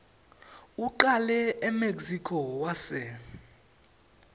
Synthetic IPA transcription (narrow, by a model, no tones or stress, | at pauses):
uǃalɛɛmeksikʰɔwasɛ